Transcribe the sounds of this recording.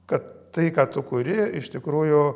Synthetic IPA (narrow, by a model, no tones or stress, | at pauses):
kɐt̪ːɐɪkɑːt̪ʊkʊɾʲɪɪʃt̪ʲɪkɾuːjʊ